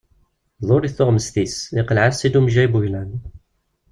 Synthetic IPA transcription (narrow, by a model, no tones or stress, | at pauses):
ðˤoɾiθʊʁməst̪isɪqəlʕasːid̪umʒæjbuçlæn